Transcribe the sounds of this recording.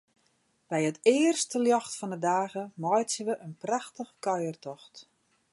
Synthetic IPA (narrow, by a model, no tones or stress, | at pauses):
b̥ɛjətɪːərstəljɔxtfɔndədaːɣəmɔjtsəʋəʔənpraxtəxəkœjərtɔxt